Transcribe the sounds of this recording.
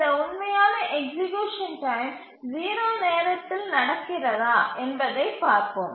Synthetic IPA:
ɐʊnmɐjaːnɐʔɛɡsɪɡjuːʂɐnʈɐjm | ziːɾoːneːɾɐt̪ːɪlnɐɽɐkːɪrɐðaːʔɛnbɐðɐɪpaːɾpom

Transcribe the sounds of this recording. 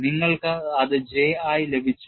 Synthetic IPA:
niŋːɐɭkɨɐðɨd͡ʑeːaːjle̞bʱit͡ɕːu

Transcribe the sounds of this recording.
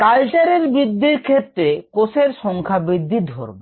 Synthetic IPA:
kalt͡ɕaɾeɾbɾid̪ʱːiɾkʰet̪ːɾekoseɾʃɔŋkʰabɾid̪ʱːid̪ʱo̰ɾbe

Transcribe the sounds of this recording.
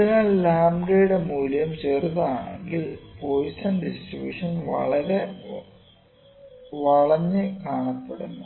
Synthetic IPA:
iaːɭlaːmɡejuɽe̞muːljɐmt͡ɕe̞ːrðɐaːɳḛŋɡilpoːjsɐnɖisʈribʲjṵːʂɐnʋɐ̰ɭɐɾe̞ | ʋɐɭɐɲːɨkaːɳɐpːeɽunːu

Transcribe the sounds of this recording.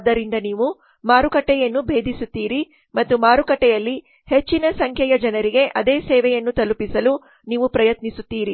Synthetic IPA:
d̪ːɐɾind̪ɐniːʋu | maːɾukɐʈːɛjɐnːubʱe̞ːd̪ʱisut̪ːiːɾi | mɐt̪ːumaːɾukɐʈːɛjɐlːi | het͡ʃːinɐsɐŋkʰjɛjɐd͡ʒɐnɐɾiɡe̞ʔɐd̪eːsɛːʋɛjɐnːut̪ɐlupisɐlu | niːʋupɾɐjɐt̪nisut̪ːiːɾi

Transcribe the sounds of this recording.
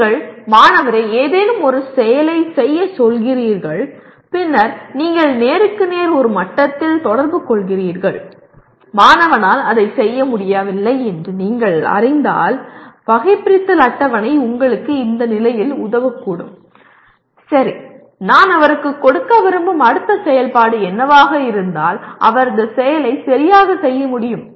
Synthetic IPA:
ɡɐɭmaːnɐʋɐɾɐɪeːðeːnɯmɔɾɯsɛjɐlɐɪsɛjːɐsɔlɣɪriːɾɣɐɭ | pɪnːɐɾniːŋɡɐɭneːɾɯkːɯneːɾɔɾɯmɐʈːɐt̪ːɪlt̪ɔɽɐɾbɯkɔɭɣɪriːɾɣɐɭ | maːnɐʋɐnaːlɐðɐɪsɛjːɐmʊɽɪjaːʋɪlːɐɪɛndrɯniːŋɡɐɭɐ̰ɾɪnd̪a̰ːlpɐɣɐɪpɪɾɪt̪ːɯlɐʈːɐʋɐnɐɪʊŋɡɐɭɯkːɯɪnd̪ɐnɪlɐjɪlʊðɐʋɐkːuːɽɯ̰m | sɐɾi | naːnɐʋɐɾɯkːɯkːɔɽɯkːɐʋɪɾɯmbɯmɐɽɯt̪ːɐsɛjɐlpaːɽɯɛnːɐʋaːɣɐɪɾɯnd̪a̰ːlʔɐ̰ʋɐɾɯnd̪ɐsɛjɐlɐɪsɐɾɪjaːɣɐsɛjːɐmʊɽɪjɯm

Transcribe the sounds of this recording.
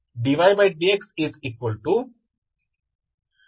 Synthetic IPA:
ɖiʋaɪbaɪɖeksɪziːkʋəlʈu

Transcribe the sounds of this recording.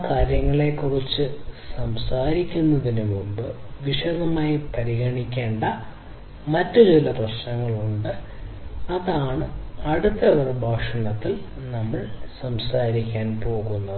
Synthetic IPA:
kaːɾjɐŋːɐɭe̞kːurit͡ɕːɨsɐmsaːɾikʲːunːɐðinemumbɨʋiʂɐðɐmaːjipɐɾiɣɐɳikʲːe̞ːɳɖɐ | mɐtːut͡ɕilɐprɐɕnɐŋːɐɭuɳɖɨ | ɐðaːɳɨɐɽut̪ːɐʋɐrɐbʱaːʂɐɳɐt̪ːil | nɐmːɐɭsɐmsaːɾikʲːaːnpo̞ːɣunːɐ

